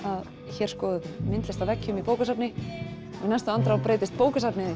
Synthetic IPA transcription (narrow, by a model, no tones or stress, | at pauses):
að | çɛɾ̥skɔːðʏmɪnt̪lɪst̪avɛcːʏmipoːwkasapnɪ | ɔnɛst̪ʏant̪ɾawpɾeːjt̪ɪst̪̚poːwkasapnɪɪ